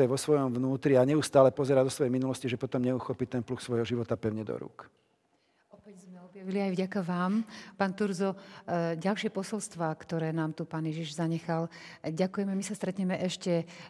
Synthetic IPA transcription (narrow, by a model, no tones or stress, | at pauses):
ɛʋɔsʋɔjɔmvnuːt̪ɾiaɲɛust̪aːlɛpɔzɛɾad̪ɔsʋɔjɛjminulɔsciʒɛpɔt̪ɔmɲɛuxɔpit̪ɛnpluxsʋɔjɦɔʒiʋɔt̪apɛʊɲɛd̪ɔ̰ɾṵːk | ɔpɛɟzmɛɔbjaʋiliajvɟakaʋaːmpaːnt̪uɾzɔɟalʃɪɛpɔsɔlst̪ʋaːkt̪ɔɾɛːnaːmt̪upaːnjɛʒiʒzaɲɛxalɟakujɛmɛmisast̪ɾɛt̪ɲɛmɛʔɛʃcɛ